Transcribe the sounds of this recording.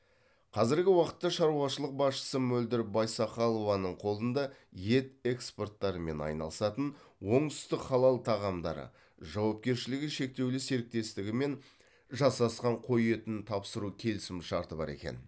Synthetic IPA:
qʰɑzɪɾɡʲɪwɑqə̥t̪ːɑʃɑɾuɑʃəlˠəq̚bɑsʃə̥səmɵld̪ɪɾbɑjsɑχɑlˠo̞vɑnəɴqʰo̞lˠənd̪ɑje̞t̪e̞kspo̞rt̪ːɑɾəme̞nɑ̰jnɑ̰lˠəsɑt̪ənwo̞ɴt̪ʰʏ̥st̪ɪχɑlˠɑlˠt̪ʰɑʁɑmd̪ɑ̰ɾə̰ | ʒɑwɑp̚kʲe̞ɾʃɪlɪɡʲɪʃe̞k̚t̪e̞wlɪseɾɪk̚t̪e̞st̪ɪɡʲɪme̞n | ʒɑsɑsqɑɴqʰo̞je̞t̪ɪnɪt̪ʰɑpsəɾukʲʰe̞lɪsɪmʃɑɾt̪əbɑ̰ɾe̞̰kʲe̞̰n

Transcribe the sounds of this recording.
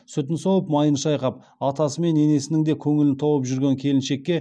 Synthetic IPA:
sʏt̪ɪnsowəpmɑjənʃɑjqɑp̚ | ɑt̪ɑsəme̞ne̞ne̞sɪnɪŋd̪e̞kʲʰɵŋɪlɪnt̪ʰowəpʒʏɾɡʲe̞ŋkʲʰe̞lɪnʃe̞kʲːe̞

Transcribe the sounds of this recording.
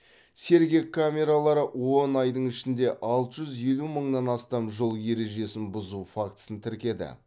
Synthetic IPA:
se̞ɾɡʲe̞kʰːamʲe̞ɾalˠɑɾəwo̞nɑjd̪əɴɪʃɪnd̪e̞ʔɑlˠt̪əʒʏzje̞luməɴnɑnɑst̪ɑmʒʊlˠje̞ɾe̞ʒe̞sɪnbʊzuwfakt̪ə̥sənt̪ʰɪɾkʲe̞d̪ɪ̰

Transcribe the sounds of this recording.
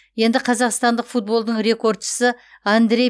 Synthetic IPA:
je̞nd̪ɪqʰɑzɑqst̪ɑnd̪əqfut̪̚bo̞lˠd̪əɴɾe̞ko̞rd̪ʃə̥sə | and̪ɾe̞

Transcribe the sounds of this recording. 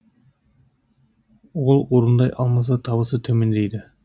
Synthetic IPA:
ʊlˠoɾund̪ɑjʔɑlˠmɑs̬ɑt̪ʰɑβsɨt̪ʰømɪnd̪ejd̪ɪ

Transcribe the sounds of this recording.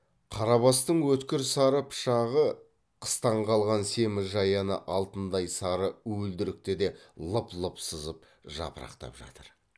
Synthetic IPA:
qʰɑɾɑβɑst̪əɴwɵt̪kʲɪɾsɑɾəpʃɑʁə | qʰə̥st̪ɑɴʁɑlˠʁɑnse̞mɪʒɑjɑnə̰ʔɑlˠt̪ənd̪ɑjsɑɾəwɵld̪ɪɾɪk̚t̪ɪd̪e̞lˠəplˠəpsəzəp̚ | ʒɑ̰pəɾɑ̰qt̪ɑ̰pʒɑ̰t̪əɾ

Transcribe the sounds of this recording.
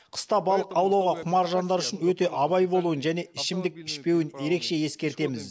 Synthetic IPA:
qʰə̥st̪ɑbɑlˠəqɑwlˠɑwʁɑqʰʊmɑɾʒɑnd̪ɑɾʏʃɪnwɵt̪e̞ʔɑβɑjbo̞lˠuwənʒæne̞ʔɪʃɪmd̪ɪk̚pɪʃpe̞wɪnje̞ɾe̞kʃe̞je̞skʲe̞ɾt̪e̞mɪz

